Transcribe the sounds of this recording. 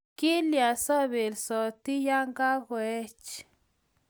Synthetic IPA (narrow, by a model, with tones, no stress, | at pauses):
ki˦lja˨sɔ˦βe˨lsɔ˨t̪i˦ja˦ŋɡa˦ɡwe˦t͡ʃ